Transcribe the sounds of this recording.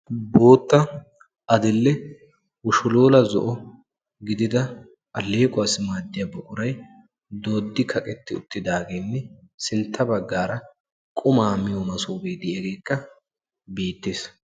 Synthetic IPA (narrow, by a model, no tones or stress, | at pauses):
bo̞ːt̪ːɐ | ʔɐd̪ɪlːɛ | wʊʃʊloːlɐzɔ̰ʔɔ | ɡɪd̪ɪd̪ɐ | ʔɐlːeːkʼʊwaːsɪmaːd̪ːɪjɐbɔkʼʊɾɐj | d̪o̞ːd̪ːɪkʰɐkʼɛt̪ːɪʊ̰t̪ːɪd̪aːɡeːnːɛsɪnt̪ʰːɐbɐɡːaːɾɐ | kʼʊmaːmɪjomɐsuːbeːd̪ɪɛɡe̞ːkːɐ | biːt̪ːeːs